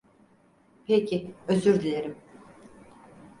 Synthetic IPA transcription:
pʰecʰiøzyɾd̪ilʲeɾim

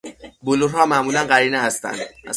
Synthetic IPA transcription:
boluɾhɒːmæʔmuːlænɢæɾiːneɦæst̪æ̰nd̪

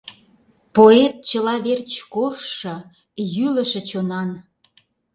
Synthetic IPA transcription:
poet̪̚t͡ɕəlɑβert͡ɕkorʃɤ̆ | jylə̆ʃĕt͡ɕonɑn

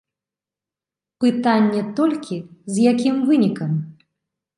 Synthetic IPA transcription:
pɨt̪anʲːɛt̪ɔlʲkʲizjakʲimvɨnʲikɐm

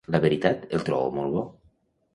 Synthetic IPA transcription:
laβeɾit̪at̪elt̪ɾɔ̰βo̰molβɔ

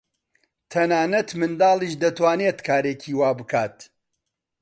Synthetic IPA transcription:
t̪ʰɐnaːnɐt̪mɨnd̪aːlˠiːʃd̪ɐt̪waːneːt̪kʰaːɾeːcʰiːwaːbɨkʰaːt̪

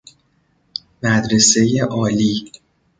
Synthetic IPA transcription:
mæd̪ɾe̞se̞jeʔɒːliː

